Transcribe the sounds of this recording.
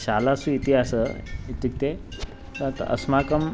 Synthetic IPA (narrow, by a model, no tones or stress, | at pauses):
ɕaːlasuit̪iɦasəit̪ːik̚t̪e | t̪ət̪ə̰smakəm